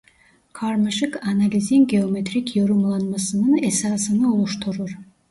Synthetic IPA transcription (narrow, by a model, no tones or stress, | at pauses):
kʰaɾmaʃɯkanalʲizʲiŋɡʲeomʲet̪rʲikjoɾumlˠɑnmɑsɯnɯnesɑːsɯnɯulˠuʃt̪ʰuɾuɾ